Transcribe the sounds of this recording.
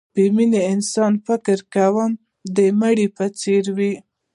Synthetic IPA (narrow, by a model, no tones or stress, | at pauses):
bəmineɪnsɑnfɪkɾkawəm | d̪əmaɽipət͡seɾwi